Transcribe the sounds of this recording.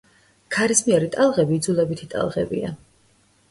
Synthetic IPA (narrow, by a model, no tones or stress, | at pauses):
kʰaɾismiɛɾit̪ʼalˠʁɛbiːd̪zulˠɛbit̪ʰit̪ʼa̰lˠʁɛ̰bḭa̰